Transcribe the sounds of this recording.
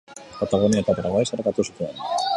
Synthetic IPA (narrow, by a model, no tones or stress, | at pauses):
kat̪aɣuniaet̪apɾaɣaesaɾɣat̪usut̪uen